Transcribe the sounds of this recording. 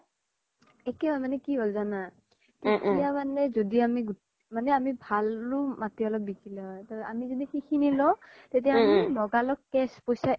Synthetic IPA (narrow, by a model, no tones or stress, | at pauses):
ɛkɛbʱamanɛkibʱɔlzana | tetijamanɛzodiamiɡu | manɛamibʱalːʊmatiɔlɔp̚bikilɛɦɔjtɔa̰mizodixixʰinilɔ | tet̬ijamilɔɡalɔkːɛspojsa